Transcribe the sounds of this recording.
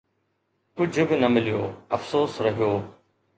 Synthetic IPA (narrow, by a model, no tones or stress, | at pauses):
kʊd͡ʑʱʊbɪnɐmɪlijoːɐfsoːsɾɐɦijoː